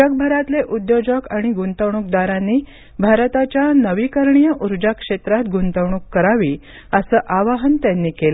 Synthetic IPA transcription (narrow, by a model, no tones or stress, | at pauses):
ək̚bʱəɾat̪leʔud̪jod͡ʑəkaɽ̃iɡunt̪əʋɳuk̚d̪aɾãnːiː | bʱaɾt̪at͡ɕjanəʋiːkəɾɳijəʔuɾd͡ʑakʂet̪ɾat̪ɡunt̪əʋɳ̃ukːəɾaʋiː | əsəːʔaʋaɦənt̪janːiːkel